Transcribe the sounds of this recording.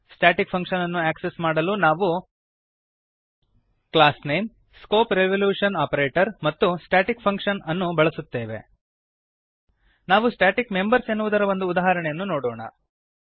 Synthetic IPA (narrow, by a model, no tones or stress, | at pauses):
sʈaːʈikpʰɐŋkʂɐnɐnːuaːksesmaːɽɐlunaːʋu | klaːsnejm | skoːpɾeʋɐljuːʂɐnaːpɐɾeːʈɐɾmɐt̪ːusʈaːʈikpʰɐŋkʂɐnɐnːubɐɭɐsut̪ːeːʋe̞̰ | naːʋusʈaːʈikme̞mbɐɾsenːuʋud̪ɐɾɐʋo̞nd̪uːd̪aːɦɐɾɐɳɛjɐnːunoːɽɔːɳɐ̰